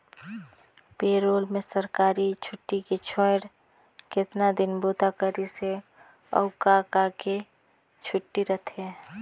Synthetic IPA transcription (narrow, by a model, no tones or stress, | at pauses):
peːɾoːlmesəɾkaːɾit͡ʃʰʊʈːiket͡ʃʰõɽ | kɪt̪nad̪ɪnbot̪akəɾise | ə̰ʊkakake | t͡ʃʰʊʈːiɾət̪ʰe